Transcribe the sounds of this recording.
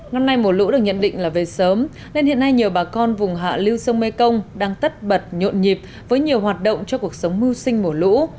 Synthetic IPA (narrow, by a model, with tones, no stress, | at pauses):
ŋə˧nːa˧jmo˨˩lṵ˧˥ɗɨ˨˩ək̚ɲə˧˨nɗḭ̈˧˨ŋ̟laː˨˩ve˨˩səː˨˦m | ne˧nhḭ˧˨əna˧jɲi˨˩əwɓaː˨˩kɔ˧nvʊ˨˩ŋ͡mɦa̰ː˧˨li˧wsə˧wŋ͡mme˧kə˧wŋ͡mɗaː˧ŋt̪ə˦˥t̚ɓə˨˩t̚ɲo̰˧˨nɲi˨˩p̚ | vəː˨˦jɲi˨˩əwhɦaː˨˩t̚ɗo̰˧˨wŋ͡mt͡ɕɔ˧ku˨˩ək̚sə˨˦wŋ͡mmɨ˧wsï˧ŋ̟mu˧˩əlṵ˧˥